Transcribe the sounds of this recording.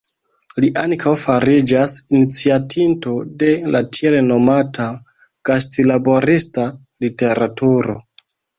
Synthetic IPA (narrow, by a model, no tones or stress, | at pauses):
liʔaŋkʰawfaɾid͡ʒasinit͡siatʰinto̞de̞latʰielno̞matʰa | ɡ̥astilabo̞ɾista | lite̞ɾatuɾo̰